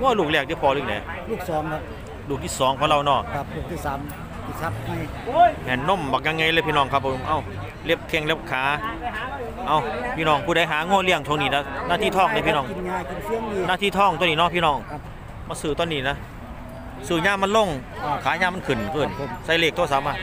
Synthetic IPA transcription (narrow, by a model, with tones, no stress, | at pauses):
ŋɔː˧˩˨luː˧˩k̚lɛː˧˩k̚di˧˨˩pʰɔː˧lɯ˧˩nɛː˨˦ | luː˧˩k̚sɔː˨˦mkʰa˦˥p̚ | luː˧˩k̚jiː˧˩sɔː˨˦ŋkʰɔː˨˦ŋɾa˧˨wnɔː˧˩a˧p̚luː˧˩k̪̚ʰiː˧˩saː˨˦m | t̪ʰi˧˩sa˦˥p̚ha˧˩j | mɛː˧˩nːo˧˥˩mbaː˨˩k̚ɲa˧ŋːa˧jlːpʰiː˧˨ɔː˧˩ŋkʰa˧pʰːo˨˦mʔa˧˩w | le˦˥˩p̚kʰe˧˩ŋle˦˥˩p̚kʰaː˨˦ | ʔa˧˩wpʰiː˧˨nɔː˧˩ŋpʰuː˧˨da˨˦jɦaː˨˦ŋoː˧˩˨li˧˩əŋt͡ɕʰo˧˦niː˧na˧˥naː˧˥˩t̪ʰiː˧˩t̪ʰɔː˧˥˩ŋna˧˦pʰiː˧˨nɔː˧˥ŋi˧˩nɲaː˧˨ki˧˨nsi˧˩əŋi˧˨naː˧˥˩t̪ʰiː˧˩t̪ʰɔː˧˩˨ŋt̪u˧˨niː˧nɔː˧˥˨pʰiː˧˨nɔː˧˩ŋ˧ | maː˧˩sɯː˨˩t̪ɔː˧˥˨nːiː˧˩˨na˦˧˥ | sɯː˨˩ɲaː˧˨mːa˧˥˨nlo˧˩˨ŋ | kʰaː˨˦ɲaː˧˩ma˧˥˨kʰɯ˨˩nkʰɯː˧˩˧n˨˦msa˧˩jleː˧˩k̚t̪ʰoː˧˩sa˨˦pmʔaː˧˩